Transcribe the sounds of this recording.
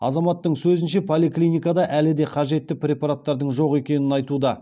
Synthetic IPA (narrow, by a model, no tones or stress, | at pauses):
ɑ̰zɑmɑt̪ːəɴsɵzɪnʃe̞pʰo̞lʲiklʲijnʲijkad̪ɑʔælɪd̪e̞qʰɑʒe̞t̪ːɪprʲe̞pɑɾat̪ːɑɾd̪əɴʒo̞qe̞kʲe̞nɪnɑjt̪ud̪ɑ